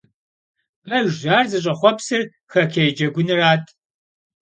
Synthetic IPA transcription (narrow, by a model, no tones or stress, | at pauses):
pʼɐʒʒaːrzɨɕʼɐχʷɔpsɨr | xɐkʰʲejd͡ʒɐɡʷʊnɨraːtʰʼ